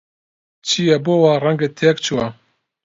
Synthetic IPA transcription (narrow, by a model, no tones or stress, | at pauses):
t͡ʃʰijɛboːwaːrɛŋɡet̪ʰeɛkt͡ʃʰuwa